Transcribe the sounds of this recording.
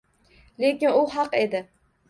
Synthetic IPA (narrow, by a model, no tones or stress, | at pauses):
lekʲɪnʊɦɑqed̪ɪ